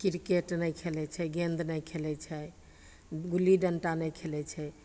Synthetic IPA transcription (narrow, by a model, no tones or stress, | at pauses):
kiɾkeʈnɛjkʰelɛt͡ʃʰɛɡẽnd̪nɛjkʰelɛt͡ʃʰɛ | ɡuliɖəɳʈanɛjkʰelɛt͡ʃʰɛ